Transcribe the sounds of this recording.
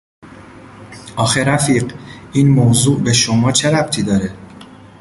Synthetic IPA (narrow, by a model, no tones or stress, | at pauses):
ʔɒːxeɾæfiːɢʔiːnmozuːʔbe̞ʃomɒːt͡ʃʰe̞ɾæbt̪ʰiːd̪ɒːɾe